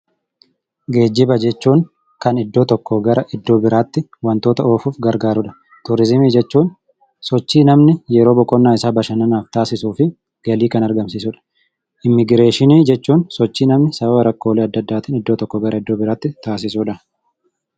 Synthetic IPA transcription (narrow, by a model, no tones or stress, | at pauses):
ɡe̞ːd͡ʒːɪbɐd͡ʒɛt͡ʃːuːŋ | kɐnɪd̪ːo̞ːt̪ɔkːɔɡɐɾɐʔɪd̪ːo̞ːbɪɾaːt̪ːɪwɐnt̪oːt̪ɐoːfuːfɡɐɾɡaːɾʊᶑɐ̥ | t̪ʊɾɪzɪmiːd͡ʒɛt͡ʃːuːn | sɔt͡ʃːiːnɐmnɪjɛɾo̞ːbɔkʼːɔnːaːɪsaːbɐʃɐnɐnaːft̪aːsɪsuːfɪ | ɡ̥ɐliːkɐnɐɾɡɐmsɪs̬ʊᶑɐ̥ | ʔɪmːɪɡɾe̞ːʃɪniːd͡ʒɛt͡ʃːuːnsɔt͡ʃːiːnɐmnɪsɐbɐbɐɾɐkːo̞ːleːɐd̪ːɐd̪ːaːt̪ɪːnɪd̪ːo̞ːt̪ɔkːɔɡɐɾɐɪd̪ːo̞ːbɪɾaːt̪ːɪt̪aːsɪsuːᶑɐ